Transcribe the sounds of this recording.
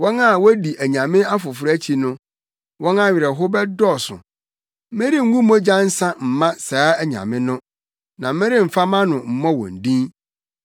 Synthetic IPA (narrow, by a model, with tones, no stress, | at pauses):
wɔ̃˦na˦˨wɔ˦di˨ʔæ˨ɲã˨mɪ̃˦a˦fʊ˨fʊ˨ɾæ˦t͡ɕʰi˨nʊ̃˦ | wɔ̃˦nã˦˨ɥɪ˨ɾɛ˨ɦʊ˦bɛ˦dɔ˦˨sʊ̰̃˨˦ | mɪ̃˦ɾi˦ŋ̩˦ɡũ˦mõ˦d͡ʑã˦n̩˦sã˦m̩˨mã˦saː˨˦æ˨ɲã̰˨mɪ̃˦nʊ̃˦ | nã˨mɪ̃˦ɾɪ˦m̩˨fa˦mã˦nʊ̃˨m̩˨mɔ̃˦wɔ̰̃˨n̩˨dĩ˦